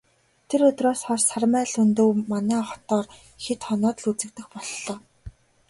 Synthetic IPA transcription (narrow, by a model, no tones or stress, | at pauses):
t̪ʰeɾɵt̪roːsχɔrsarmæːɮʊnt̪ɵ̆wmanæːχɔ̥t̪ɔːr | xet̪χɔnɔːt̪̆ɮut͡sɘ̆k̚t̪ɘ̆xpɔɮːɔː